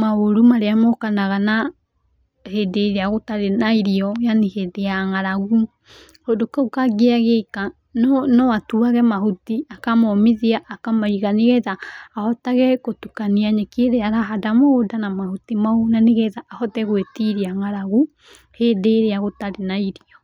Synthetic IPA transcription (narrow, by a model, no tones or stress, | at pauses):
maoɾumaɾeamɔkanaɣana | hedeɾeaɣotaɾenaiɾiɔjanihedeaŋaɾaɣu | hodokɛokaɡeaɣeka | nnɔatuaɣɛmaɦutiakamɔmiðiaʔːkamaiɣaneɣɛðaːhɔtaɣɛkotukaniaɲɛkeɾeaɾaɦadamoodanamahutimaonaneɣɛðaʔːhɔtɛɣwetiɾiaŋaɾaɣu | hedeɾeaɣotaɾenaiɾiɔ